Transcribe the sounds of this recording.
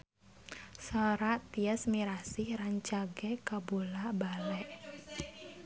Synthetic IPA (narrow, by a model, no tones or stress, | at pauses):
saɾat̪iəsmiɾasɪhraɲt͡ʃaɡɛkabolabalɛʔ